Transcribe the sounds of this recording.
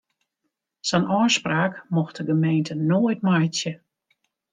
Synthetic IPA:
sɛnʔɔːspraːkmɔxtəɡəmejntʰənoːjtmajtjə

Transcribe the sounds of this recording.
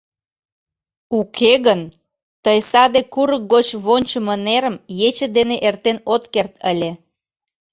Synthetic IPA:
ukʰeɣən | t̪əjsɑd̪ekuɾək̚ɡot͡ɕβonʲt͡ɕəməneɾəmjet͡ɕəd̪eneʔert̪enot̪kert̪əlʲe

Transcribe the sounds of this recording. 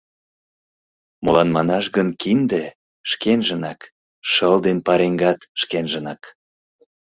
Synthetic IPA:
molɑnmɑnɑʃɣənkind̪e | ʃkenʒə̆nɑk | ʃəld̪enpɑɾeŋɡɑt̪ʃkenʒə̆nɑk

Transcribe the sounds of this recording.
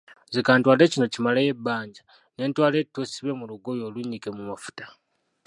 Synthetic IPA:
zikaːntwaːle̞ːcino̞cimalaje̞bːaːɲɟa | ne̞ːntwaːle̞tːosiβemuluɡo̞jo̞ːluɲːikemumafu̥tḁ

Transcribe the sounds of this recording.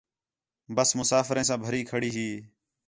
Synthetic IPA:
bəsmʊsaːfɾẽːs̬ãːbʱəɾiːkʰəɽiːɦiː

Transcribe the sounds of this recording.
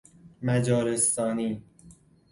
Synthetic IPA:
mæd͡ʒɒːɾest̪ɒːniː

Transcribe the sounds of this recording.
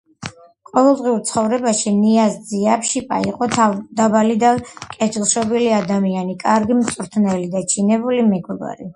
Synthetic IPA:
qʼɔvɛlˠd̪ʁiuɾt̪sʰχɔvɾɛbaʃiniasziapʰʃipʼa̰iqʼɔt̪ʰd̪abalid̪akʼɛd͡ʒlˠʃɔbiliad̪amianikʼaɾɡimt̪sʼɾt̪ʰnɛlid̪at͡ʃʰinɛbulimɛɡwɛɡa̰ɾḭ

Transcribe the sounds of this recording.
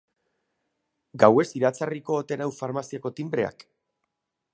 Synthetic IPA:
ɡawe̞siɾat͡sariko̞ːt̪e̞nawfaɾmasiako̞t̪imbɾe̞a̰k

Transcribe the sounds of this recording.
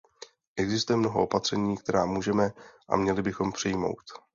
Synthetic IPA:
ʔɛɡzɪst̪ujɛmno̞ɦo̞ʔo̞pat̪r̝̥ɛɲiːkt̪ɛɾaːmuːʒɛmɛʔa̰mɲɛlɪbɪxo̞mpr̥ɪjmo̞̰wt̪

